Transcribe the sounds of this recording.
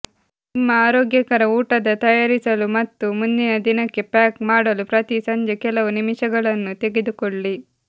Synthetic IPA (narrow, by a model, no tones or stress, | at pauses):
imːɐaːɾoːɡjɐkɐɾɐuːʈɐd̪ɐt̪ɐjaːɾisɐlumɐt̪ːumund̪inɐd̪inɐkːepaːkmaːɽɐlupɾɐt̪isɐɲd͡ʒekɛlɐʋunimiʃɐɡɐɭɐnːut̪e̞ɡed̪ukoɭːi